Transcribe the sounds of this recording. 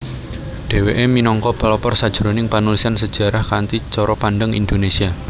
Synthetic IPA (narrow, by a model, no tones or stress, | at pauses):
ɖ̥e̤weʔeminɔŋkɔpalɔpɔrsad̥ʒ̥ɾonɪŋpanulisansə̥ʒ̥ä̤ɾahkant̪it͡ʃɔɾɔpanɖəŋḭnd̪onesia